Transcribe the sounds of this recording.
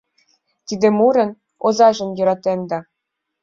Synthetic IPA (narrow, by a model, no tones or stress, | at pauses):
t̪ʲid̪ʲĕmuɾɤ̆n | ozɑʒɤ̆njɤ̆ɾɑt̪end̪ɑ